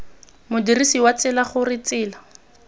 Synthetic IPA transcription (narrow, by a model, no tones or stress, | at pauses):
mʊdirisiwat͡sɪlaχʊrɪt͡sɪːla